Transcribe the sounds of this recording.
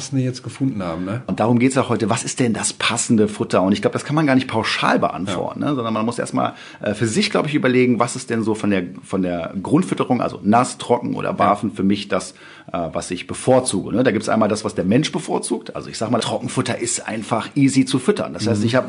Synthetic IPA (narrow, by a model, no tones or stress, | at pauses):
sn̩dəjɛt͡stɡ̥əfʊndn̩haːbm̩nəʔʊntd̥aːʁ̞ʊmɡeːtəsjaʊhɔʏtəvasɪst̚d̥ɛndaspʰasn̩dəfʊtɐʊntɪçɡ̥laʊədaskʰanmanɡaːɐnɪçt̚pʰaʊʃa̰ːlbə̰ʔa̰ntvɔ̰ɐtn̩nəzɔndɐnmanmʊsʔḛɐstma̰ːl | ʔɛ̰ːfyːɐzɪçɡ̥laʊbəɪçʔyːbɐleːɡŋ̩vasɪstd̥ɛnzoːfɔndeːɐfɔndeːɐɡʁʊntfʏtəʁʊŋʔa̰lzo̰nastʁ̥ɔkŋ̩ʔo̰ːdɐ̰baːfn̩fyːɐmɪçd̥as | ʔɛːvasɪçb̥əfoːɐt͡suːɡənədaːɡiːptsʔa̰ɪnmaːldasv̥asd̥eːɐmɛnʃb̥əfoːɐt͡suːk̚tʔa̰lzo̰ɪçz̥aːɡəmaːtʁ̥ɔkŋ̩fʊtɐʔɪstʔa̰ɪnfaχʔiːzit͡sufʏtɐ̰nd̥ashaɪstɪçhaːbə